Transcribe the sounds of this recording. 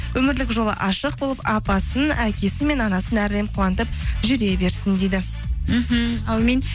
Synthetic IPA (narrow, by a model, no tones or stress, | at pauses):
wɵmɪɾlɪkʒolˠə̰ʔɑʃəq̚bolˠəpɑpɑsənækʲe̞sɪme̞nɑnɑsənæɾd̪e̞mqʰuwɑnt̪əp̚ʒʏɾe̞be̞ɾsɪnd̪ejd̪ɪ | m̩ɦm̩ɑwmen